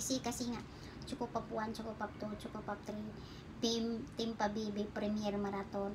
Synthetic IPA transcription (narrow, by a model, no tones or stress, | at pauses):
sikasiŋa | t͡ʃukʊpːapuant͡ʃukupːap̚t̪ut͡ʃukupːap̚t̪ɾin | bimt̪impabebɛpɾɛmiɛrmaɾat̪ɔn